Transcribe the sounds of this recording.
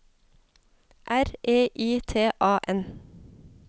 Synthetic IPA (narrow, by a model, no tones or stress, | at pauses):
ʔæɾeːʔiːt̪ʰeːʔɑːʔɛn